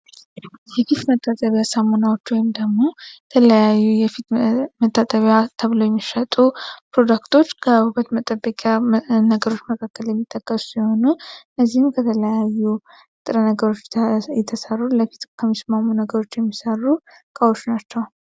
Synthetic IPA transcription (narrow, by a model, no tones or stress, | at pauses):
jɛfit̪mət̪ʼːat̪ʼəβjasəmonawo̞t͡ʃːwɔjimd̪əɡmo̞t̪ʰələjajːujɛfit̪mət̪ʼːat̪ʼəβjat̪ʰəβləwjɛmːiʃət̪ʼupɾo̞d̪akt̪ʰo̞t͡ʃːkʰəhukət̪mət̪ʼəbːəkʼjanəɡəɾo̞t͡ʃːməkʰakːəljɛmːit̪ʼːəkʼːəsu̥siho̞nunːəzːihɨmkʰət̪ʰələjajːu | t̪ʼɨɾənəɡəɾo̞t͡ʃːjɛt̪ʰəsərːuləfit̪kʰəmːismamunəɡəɾo̞t͡ʃːjɛmːisərːu | kʼəwo̞t͡ʃːnat͡ʃːɛw